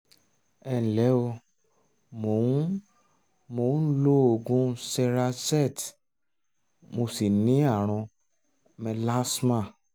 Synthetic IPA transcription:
ɛ˧˨n̩˨lɛ˨˦o˧ | mo˨ũ˦ | mo˨ũ˦lo˦o˨ɡũ˦sɛ˧ɾa˧sɛ˦˨t | mo˧si˨nĩ˨˦a˦˨ɾ̃ɔ̃˧ | mɛ˧la˦smã˦˨

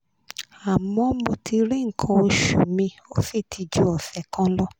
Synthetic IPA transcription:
a˨mɔ̃˧˦mo˧ti˧ɾe˦˨ŋ̩˨kʰã˧o˧ʃṵ˨mĩ˧o˦fi˦˨tʰi˧d͡ʒu˦ɔ˨fɛ˨kã˦lɔ˦

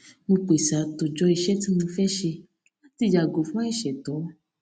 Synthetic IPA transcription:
mũ˧k͡pe˨sa˨to˨d͡ʒɔ˧i˧ʃɛ˦ti˦mũ˧fɛ˦ʃe˧ | la˦ti˧˨d͡ʒa˨ɡo˨˦fũ˦ɛ˦˨ʃɛ˨tɔ˨˦

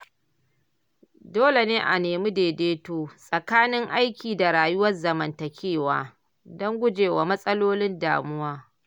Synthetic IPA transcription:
doː˦le˨neː˦ʔa̰˨neː˨mu˦deː˨deː˦toː˦sʼɐ˨kaː˦nɪ˦ŋʔa˦jkʲiː˨da˨ɽaː˨jʊ˦wɐ˦rzɐ˨mɐ˨ntɐ˨kʲʰeː˦˨wa̰ː˦ | dɔ˦ŋɡʷʊ˦d͡ʒeː˨wa̰ː˨mɐ˦sʼɐ˦loː˦lɪ˦nda̰ː˨mʊ˦waː˦

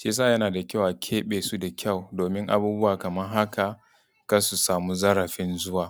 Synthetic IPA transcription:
ʃeː˦s̬a˦˨jɐ˦naː˨da˨kʲa˦˨wʔa˨kʲʰeː˦ɓeː˨su˦da˨kʲʰa˦˨wdoː˨mɪ˦ŋʔa̰˦buː˦bʊ˦waː˨kɐ˨mɐ˦rɦa˦ka˨ | ka˦su˨saː˨mu˦zɐ˦ɾɐ˨ɸɪ˦nzʊ˦waː˨

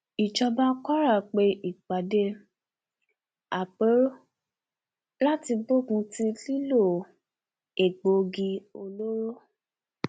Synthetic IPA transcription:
i˨d͡ʒɔ˧ba˦kɔ˦ɾa˦˨k͡pe˧i˨k͡pa˨de˧˦ | a˨k͡pe˨˦ɾ | la˦ti˧bo˦˨ɡũ˧ti˦li˦lo˦˨ | e˨ɡ͡bo˧ɡi˧o˧lo˦ɾo˦

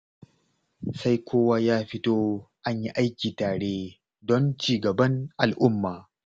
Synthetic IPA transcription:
sa˦jkʷoː˦waː˦jaː˦ɸɪ˦toː˦ʔa˦ɲji˦ʔa˦jkʲiː˨taː˨ɽeː˦ | dɔ˦nt͡ʃiː˨ɡɐ˨bɐ˦ŋʔa˨lʔʊ˦mːaː˨

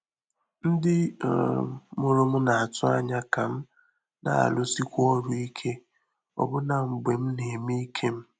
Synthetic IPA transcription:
n̩˦dɪ˦˨ | mʊ˦ɾʊ˦m̩˦na˨a˨tʊ˦a˦ɲa˦ka˨m̩˦ | na̰˨a̰˨lʊ˦si˦kʷɔ˦ɾu˦i˦kʰe˦ | ɔ̰˨bʊ˦na˨ŋ͡m̩˨ɡ͡be˨m̩˦ne˨mi˦i˦kʰe˦m̩˦

